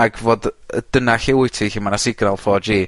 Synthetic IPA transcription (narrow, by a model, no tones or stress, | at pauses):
aɡvoːdəd̥ənaɬɪwɪjtʰiɬimanasɪɡnalˠfɔːd͡ʒiː